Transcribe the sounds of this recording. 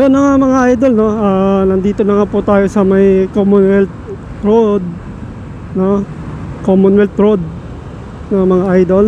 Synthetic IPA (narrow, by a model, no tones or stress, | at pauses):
jonːɐŋamɐŋaʔajd̪olno̞anɐnd̪iːt̪o̞nɐŋaːput̪aːjo̞sɐmɐjkomʊnwɛl | ɾod̪̚ | no | komʊnwɛlt̪ɾod̪̚ | nɐmɐŋaʔajd̪ol